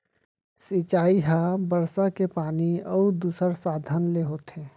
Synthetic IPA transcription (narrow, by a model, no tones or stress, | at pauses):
sit͡ʃaːiɦabəɾsakepaːniəud̪uːsəɾsaːd̪ʱənleɦoːt̪ɦɛ̃ː